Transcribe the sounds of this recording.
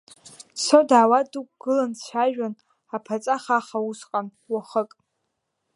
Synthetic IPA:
sodaːwadukʷʼɡ̥ɨlant͡ɕʷʰaʒᶣan | apʰat͡sʼaχaχausqʼan | waχəkʼ

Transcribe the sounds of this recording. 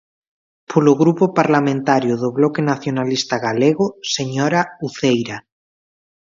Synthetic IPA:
pʰoloɣɾupopaɾlamẽnt̪aɾjoðoβlokenaθjonalist̪aɣaleɣoseɲoɾauθejɾa

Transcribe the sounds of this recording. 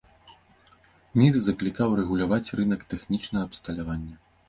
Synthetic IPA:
mʲirzɐklʲikawɾɛɣulʲavat͡sʲrɨnɐkt̪ɛxnʲit͡ʂnɐɣɐːpst̪ɐlʲavanʲːɐ

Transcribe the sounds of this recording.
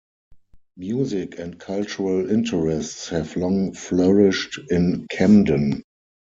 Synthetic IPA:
mjuːzɪkʰɛ̃ntkʰalt͡ʃuɹəlɪ̃ntʰəɹɛstshɛvlɔ̃ŋflɜɹɪʃtɪ̃nkʰɛ̃mdə̃n

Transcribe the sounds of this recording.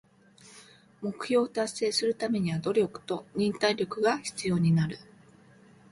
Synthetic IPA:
mo̞kɯ̟̥ço̞ːt̪asːe̞ːsɨɾɯ̟t̪ame̞ɲ̟iβad̪o̞ɾʲo̞kɯ̥t̪o̞ɲ̟ĩnt̪aiɾʲo̞kɯ̟ɡaçi̥t͡sɨjo̞ːɲ̟inaɾɯ̟

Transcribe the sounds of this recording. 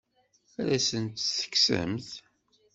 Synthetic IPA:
ælæsənt̪θə̥ksə̰mθ

